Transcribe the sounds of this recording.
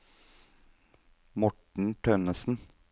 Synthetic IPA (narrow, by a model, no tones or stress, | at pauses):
mɔʈɳ̩ʈʰœnəsn̩